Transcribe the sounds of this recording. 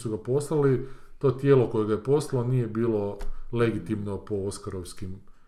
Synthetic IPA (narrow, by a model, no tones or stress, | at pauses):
suɡapo̞slalit̪o̞ːt̪je̞ːlo̞ko̞jeɡajepo̞slaloniːje̞biːlˠo̞le̞ɡit̪imnopooskaɾoʋskim